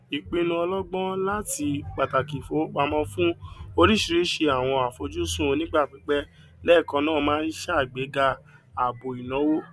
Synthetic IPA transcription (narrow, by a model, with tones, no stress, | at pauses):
i˨k͡pĩ˨˧˦nũ˧ɔ˧lɔ˦ɡ͡bɔ̃˦la˦ti˧k͡pa˨ta˨ki˨fo˨˦k͡pa˧mɔ̃˦fũ˦o˧ɾi˦ʃi˧ɾi˨˦ʃe˧a˨w̃ɔ̃˧a˨fo˧d͡ʒu˦sũ˦˧nĩ˦ɡ͡ba˦˨k͡pi˨˦k͡pɛ˦ | lɛ˦˨kɔ̃˧nãː˦˨˧mãː˦ɾi˦ʃa˦˨ɡ͡be˨˦ɡa˧ | a˨bo˨i˨nɔ̃˨˦wo˦